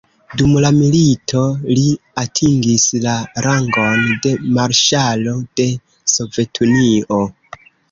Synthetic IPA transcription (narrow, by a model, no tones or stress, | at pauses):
dumlamilitʰo̞li | atʰiŋɡislaɾaŋɡo̞nde̞maɾʃalo̞d̥e̞ | so̞ve̞tʰunio̞